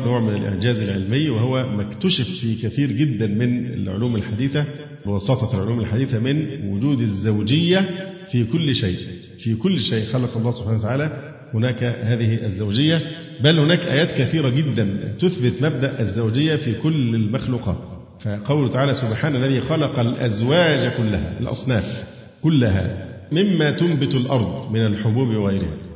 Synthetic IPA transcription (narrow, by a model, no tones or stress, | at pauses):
noːʕmɪnɪlʔɪ̰ʕd͡ʒæːzɪlʕelmɪjːwɪhowæmækt̪ʊʃɪffiːkæθiːɾɡɪd̪ːænmɪnɪ̰lʕʊ̰luːmɪlħad̪iːθæ | bwɑsɑt̪ˤɑlʕoluːmɪlħad̪iːθæmɪnwʊd͡ʒuːd̪ɪzːawd͡ʒɪjːæfiːkʊlːʃeːʔ | fiːkʊlːʃeːʔxɑlɑqɑlˤːɑːhsob̥ħanawt̪aʕaːlæ | hʊnæːkhæːðɪhiʔæzːawd͡ʒɪjːæ | bælhʊnæːkʔæ̰ːjæːt̪kæθiːɾæɡɪd̪ːænt̪ʊθbɪt̪mæb̚d̪æʔæzːawd͡ʒɪjːæfiːkʊlːɪlmaxluːqɑ̰ːt̪ | fæqɑwlʊt̪aʕaːlæsʊbħaːnʔælːæðiːxɑlɑqɑlʔæzwæːd͡ʒkʊlːæɦæ̰ʔɪ̰lʔɑ̰sˤnæ̰ːf | kʊlːæɦæ̰mɪmːæt̪ʊmbɪt̪alʔɑɾˤd̪ˤmɪnælħobuːbwɣæjɾɪhæ̰